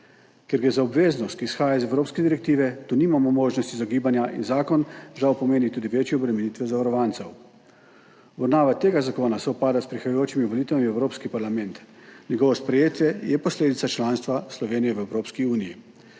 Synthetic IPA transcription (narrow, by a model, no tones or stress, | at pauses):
keɾɡɾeːzaɔbʋeːznɔst̪̚kisxaːjaizɛwɾoːpskɛd̪iɾɛk̚t̪iːʋɛt̪uːniːmamɔmoːʒnɔst̪izaɡiːbanjaʔḭnzaːkɔnʒawpɔmeːnit̪uːd̪iʋeːt͡ʃjɛɔbɾɛmɛniːt̪ʋɛzaʋaɾɔʋaːnt̪sɛw | bɔɾnaːʋat̪eːɡazakoːnasɛɔpaːd̪aspɾixajajoːt͡ʃimiʋɔliːt̪ʋamiɛwɾoːpskipaɾlamɛnt̪nʲjɛɡɔːʋɔspɾɛjeːt̪jɛjɛpɔsleːd̪it̪sat͡ʃlaːnst̪ʋaslɔʋeːnijɛʋəɛwɾoːpskiuːniji